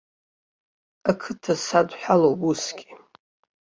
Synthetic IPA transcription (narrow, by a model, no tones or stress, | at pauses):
akʰɨtʰasadħʷᶣalowbusɡʲi̥